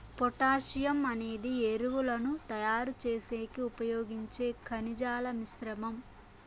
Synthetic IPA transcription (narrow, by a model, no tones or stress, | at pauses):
pɔʈaːʃijɐmɐne̞ːd̪ieɾuwulɐnut̪ɐjaːɾut͡ʃeːseːkiupɐjoːɡiɲt͡ʃe̞ːkʰɐnid͡ʒaːlɐmisɾɐmɐm